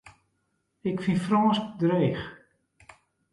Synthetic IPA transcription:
ɪkfifrɔːsk̚dreːx

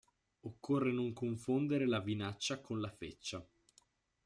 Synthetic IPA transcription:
okːorːenoŋkoɱfond̪eɾelavinat͡ʃːakonlafet͡ʃːa

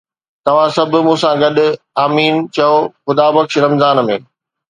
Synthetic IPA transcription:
t̪ɐʋ̤ãsɐbʱʊ̆mũːsãɡɐɗʊ̆ | aːmiːnt͡ɕɐoxʊd̪aːbɐkʃɾɐmzaːnmḛ̃ː

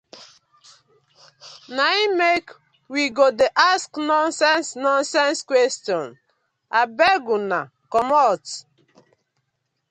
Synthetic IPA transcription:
naimek | wiɡodeʔasknɔnsɛ̃nsnɔ̃nsɛ̃nskwɛstjɔ̃n | abɛɡuna | kɔmɔt

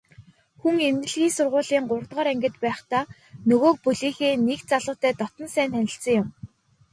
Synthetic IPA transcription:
xuŋemnɘ̆ɮɣiːŋsʊrʁʊːɮiːŋɢʊrt̪ʁɔːɾæŋɡʲɪ̆t̪pæːχt̪aː | nɵɣoːk̚pɵɮiːxeːnekt͡saɮʊːt̪æːt̪ɔt̪ɞ̆nsæːnt̪ʰænʲɪ̆ɬt͡sə̆ŋjʊm

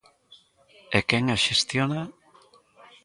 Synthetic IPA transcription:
ekeŋaʃest̪jona

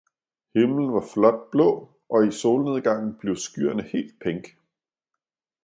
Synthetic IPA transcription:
he̝mln̩ʋɑ̈flɒ̽d̥̚b̥lɔ̰̽ː | ʔɒ̽iso̝ːlne̝ð̞ˠɡ̥ɑ̈ŋ̰n̩b̥le̝ʊsɡ̥yɐnəhe̝̰ːld̥̚pʰeŋɡ̥

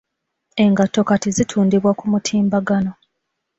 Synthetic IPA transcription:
e̞ŋɡatːo̞katizitʰuːndiβwakumutʰiːmbaɡano̞

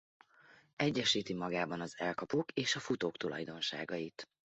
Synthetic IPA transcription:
ɛɟːɛʃiːt̪imɒɡaːbɒnɒzɛlkɒpoːkeːʃɒfut̪oːkt̪ulɒ̰jd̪o̞nʃa̰ːɡɒjit̪

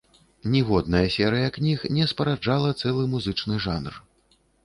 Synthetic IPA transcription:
nʲiɣɔd̪̚nɐjɐsʲɛɾɨjɐknʲixnʲɛspɐɾad͡ʐalˠɐt̪sɛlˠɨmuzɨt͡ʂnɨʐanr

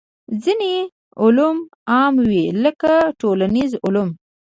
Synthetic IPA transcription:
zine | ʊlum | ɑmwiləkaʈolanizʊlum

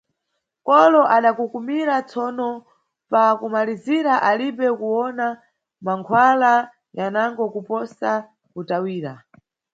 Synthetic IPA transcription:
kɔlɔʔaɗakukumiɾat͡sʰɔnɔ | pakumaliziɾaʔaliɓɛkuwɔna | maŋkʰwala | janaŋɡɔkupɔsa | kutawiːɾa̰

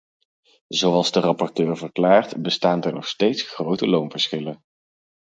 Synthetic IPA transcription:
zowɑlˠzdərɑpɔɹtøːɹvərklaːɹtbəstaːndəɹnɔχstejtsχrowtəlownvəɹsχɪlən

